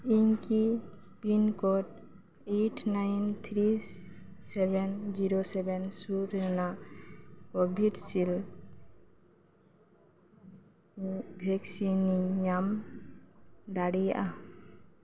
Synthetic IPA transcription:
iŋki | pinkɔʈ | eʈʰnajnt̪ʰɾi | sɛbɛnd͡ʒiɾosɛbɛnsuɾɾɛna | kɔbʱiɖsil | bʱɛksiniɲam | d̪aɽijaʔa

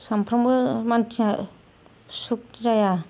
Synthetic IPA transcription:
sampʰɾambɯmantʰina | suk̚d͡ʒaja

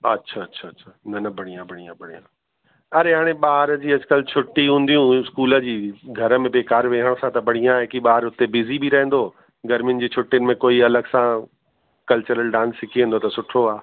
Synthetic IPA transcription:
ɐ̰tːɕʰaɐtːɕʰaːtːɕʰaːnɐnɐbɐɽ̃ijãbʱɐɽ̤̃ijãbɐɽijã | ɐɾeɦaːɽ̃ẽɓaːɦɾd͡ʑiːɐd͡ʑɪkəlt͡ɕʰʊʈːiɦũːnd̪ijũɪskuːlə̆d͡ʑiːɡʱɐɾə̆mẽbeːkaːɾʋeːɦəɽ̃sãt̪ɐbɐɽ̤̃ijãɦɪkiɓaːɾʊt̪ebɪzibʱiɾɐɦɪ̃n̆d̪oː | ɡɐɾmɪn̆d͡ʑiːt͡ɕʰʊʈːjənɪ̆mẽkoːiɐləɡsã | kɐlt͡ɕəɾəlɖãːnsːɪkʰiẽnd̪ot̪ɐsʊʈʰoaː

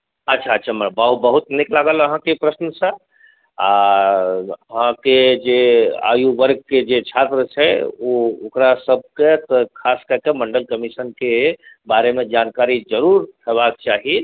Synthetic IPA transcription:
ətːʃʰaətːt͡ʃʰaməɾbaɦubəɦut̪neklaɡələɦãkepɾəsnəsə̃ | a | əɦãked͡ʒea̰juʋəɾɡ̚ked͡ʒet͡ʃʰat̪ɾət͡ʃʰɛookɾasəb̚ʱket̪ɔkʰaskəɾkeməɳɖəlkəmisənke | baɾemed͡ʒankaɾid͡ʒəɾuɾɦebak̚t͡ʃaɦi

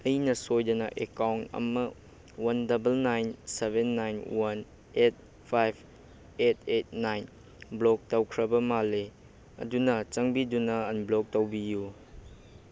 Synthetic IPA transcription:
ɐjnɐsojdɐnɐʔekawntɐ̰mɐ | wɐndɐbɐlnajnsebenːajnwɐn | et̚ | pʰajb̚ʰ | etʰet̚najn | blok̚tɐwkʰɾɐbɐmale | ɐ̰dunɐt͡ʃɐŋbidunɐɐnblok̚tɐwbiju

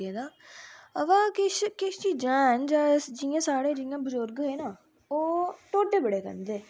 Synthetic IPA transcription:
eːd̪aːəʋãːkɪʃkɪʃt͡ʃiːd͡ʒãːnd͡ʒaːd͡ʒiãːsaːɽeːd͡ʒiːjãːbəzʊɾɡɦeːnaː | oːʈoːʈːeːbəɽeːkə̰nd̪eː

